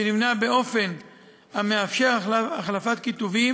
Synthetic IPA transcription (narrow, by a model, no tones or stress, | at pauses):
enivnabe̞o̞fe̞n | ameafʃeʁaχlafat̪̚kit̪uvi